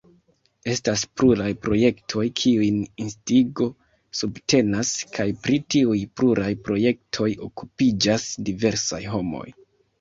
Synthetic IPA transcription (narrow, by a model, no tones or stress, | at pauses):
e̞staspluɾajpɾo̞je̞ktʰo̞jkʰiujninstiɡo̞ | subte̞naskʰajpɾitiujpluɾʔajpɾo̞je̞k̚tʰo̞jo̞kupid͡ʒasdive̞ɾsa̰jɦo̞mo̞̰j